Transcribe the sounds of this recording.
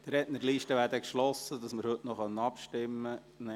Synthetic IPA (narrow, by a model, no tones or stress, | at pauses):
t̪ɾɛtnəɾliːʃtəʋæːɾdəkʃlɔsːədɑsmɪɾhɵtnɔχœnɑpʃtɪmːə | n